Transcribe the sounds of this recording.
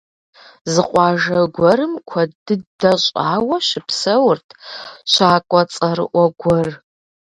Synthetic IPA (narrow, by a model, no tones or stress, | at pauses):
zɨqʷʼɑːʒɐɡʷɔɾɨmkʷʰɐdɨdɐɕʼaːwɐʃɪpʰsɐwrtʰʃʰʷaːkʷʼɔt͡sʼɐɾɨ̰ʔʷɐɡʷɔr